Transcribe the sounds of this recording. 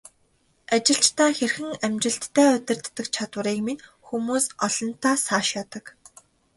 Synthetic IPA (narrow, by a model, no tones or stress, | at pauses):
at͡ɕɪ̆ɬt͡ɕt̪aːxerxɘ̆ŋæmt͡ɕɪ̆ɬt̪ːʰæːɵt̪ʲɪ̆rt̪ːə̆kt͡ɕʰat̪wə̆ɾiːkmin | xumuːsɔɮɞ̆nt̪ʰaːsaːʃjat̪ə̆k